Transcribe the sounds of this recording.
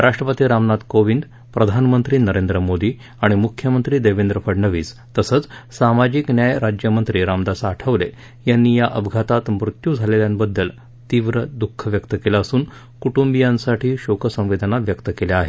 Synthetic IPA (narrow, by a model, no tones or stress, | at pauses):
ɾaʂʈɾəpət̪iːɾamnad̪koʋind̪ | pɾəd̪ʱanmənt̪ɾiːnəɾend̪ɾəmod̪iː | aɽ̃imukʰjəmənt̪ɾiːd̪eʋind̪ɾəpʰəɽɳəʋiːst̪əsət͡ssamad͡ʑiknjajɾad͡ʑjəmənt̪ɾiːɾamd̪asaːʈʰəʋlḛ | janːiːjaʔəbʱɡʱat̪at̪mɾut̪juːd͡zʱaleljanbəd̪ːəl | t̪iʋɾəd̪ukʰːəʋjəkt̪əkelaəsuːn | kuʈumbijansaʈiːɕokʰəsə̃m̃ʋid̪ʱənaʋjəkt̪əkeleaɦe